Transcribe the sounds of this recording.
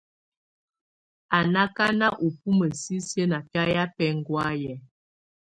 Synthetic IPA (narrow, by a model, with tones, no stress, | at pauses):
a˨na˦ka˦na˦ʔu˨p̚u˦mə˨si˦sjə˦na˨pa˦ja˦pɛ˦ŋ˦ɡwa˦jɛ˨